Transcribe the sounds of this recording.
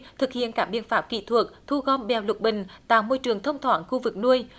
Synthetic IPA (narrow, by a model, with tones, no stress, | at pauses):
t̪ʰɨ˨˩k̚hḭ˧˨ənkaː˦˥ɓḭ˧˨ənfaː˦˥p̚kḭ˧˨t̪ʰwu˨˩ək̚t̪ʰu˧ɣɔ˧mɓɛ˨˩wlu˨˩k̚ɓï˨˩ŋ̟t̪a̰ː˧˨wmo˧jt͡ɕɨ˨˩əŋt̪ʰə˧wŋ͡mt̪ʰwaː˨˦nxu˧vɨ˨˩k̚nu˧əj